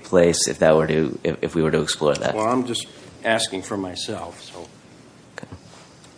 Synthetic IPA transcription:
pʰl̥eɪsɨ̰fðɨt̚wə˞ɾɨɪ̰ɨfwiwə˞ɾɨɨksplɔɹðæ̰t̚ˠãɪ̃md͡ʒʌstæskɪ̃ŋfə˞maɪsɛlˠfsoʊ | k

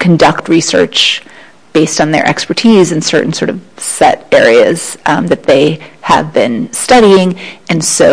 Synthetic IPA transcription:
kʰɨ̃ndʌk̚t̚ʰɹisɜ̰˞t͡ʃ | b̥eɪstn̩ðə̰˞ʔɛ̰kspə˞tʰizɨ̃nsɜ˞ʔn̩sɔɹɾʌv̥sɛ̰ɾɛɹiɨz̥ðɨt̪̚ðeɪə̰vbɪ̃nstʌɾiɪ̃ŋɨ̃nsoʊ

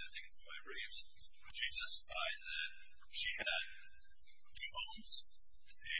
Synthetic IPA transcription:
aɪθɪ̃ŋkɨtsmaɪɹefs | ʃid͡ʒʌstfaɪðɨt̚ | ʃiɨd̚ | tʰʉhõʊ̃mz̥ | ɨ

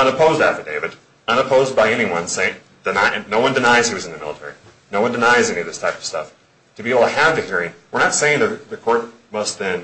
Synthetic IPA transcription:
ʌ̃nɨpʰoʊzdæfə˞deɪvɨd | ʌ̃ñəpʰoʊzd̚baɪɛñiwʌ̃nseɪ̃ | d̥ɨnaɪnːoʊwʌ̃ndɨnaɪz̥iwʌz̃n̩ðɨmɪ̰lˠətʰɛ̰ɹḭ | noʊwʌ̃ndɨnaɪzɛniʌvðɪstʰaɪpʌv̥stʌ̰f | tʰɨbieɪbl̩ˠtʰɨɨvðɨhiɹɪ̃ŋwɨɹnətseɪɪ̃ŋðɨðɨkʰɔɹt̚ | mʌst̪̚ðɨ̃n

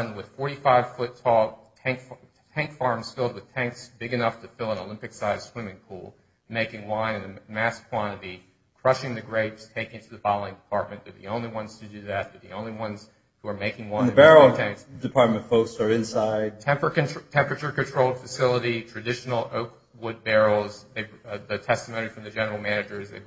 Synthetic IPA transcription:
nwɨð̥fɔɹɾifaɪv̥fʊtʰɔlˠʰ | æ̃ŋk | tʰæ̃ŋkfɑɹmz̥fɪlˠd̚wɨð̥tʰæ̃ŋksb̥ɪɡɨnʌftʰɨfɪlˠə̃nəlɪ̃mpɨksaɪz̥swɪ̃mɪ̃ŋpʰṵlˠ | meɪkɪ̃ŋwãɪ̃nɨ̃nɨmæskʰw̥ɑ̃ñɨɾi | kʰɹ̥ʌʃɪ̃ŋðɨɡɹeɪd̥tʰeɪkɪ̃ntʰʉðɨfɑl̩ˠɪ̃ŋdɨpʰɑɹt̚mɨ̃ndə˞ðḭõʊ̃nliwʌ̃nz̥tʰɨdɨðɨt̪̚ðə˞ðḭõʊ̃nliwʌ̃nz̥ | huə˞meɪkɪ̃ŋwʌ̃ɪ̃ə̃bɛɹl̩ˠtʰæ̃ŋksdɨpʰɑɹt̚mɨ̃nʌ̥foʊksə˞ɨ̃nsaɪd̚tʰɛ̃mpə̃˞tʰɛ̃mpɹɨt͡ʃə˞kɨ̃ntʰɹ̥oʊlˠd̥fɨsɪlˠəɾitʰɹ̥ɨdɪʃn̩l̩ˠoʊk | wʊd̚bɛɹl̩ˠzðeɪðɨtʰɛstəmõʊñifɹʌ̃mðɨd͡ʒɛnə˞l̩ˠmænɨd͡ʒə˞zðeɪ

